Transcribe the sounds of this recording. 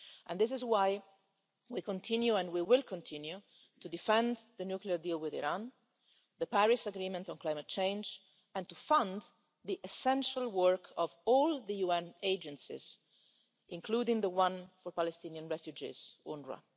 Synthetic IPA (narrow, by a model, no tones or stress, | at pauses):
ʔɛ̰̃nd̪ɪs̬ɪzwaj | wikɔ̃nt̪ʰĩnjuɛ̃nwiwɪlkʰɔ̃nt̪ʰĩnju | t̪udifɛ̃nðənjukliəɾdiːlwɪðḭɾãn | ðəpæɹɪsaɡɾiːmɛ̃ntɔ̃nklajmət̚t͡ʃẽjnd͡ʒ | ɛ̃nt̪ufãnd̪ | ðiʔɛsɛ̃nʃalwəɹkʰɔvɔlˠðəjuɛ̃neɪd͡ʒə̃nsḭz̥ | ʔɪ̃ŋkʰluːdɪ̃ŋðəwãnfɔɾpalɛst̪ĩniãnɹɛfjud͡ʒḭz̥ũnɹa̰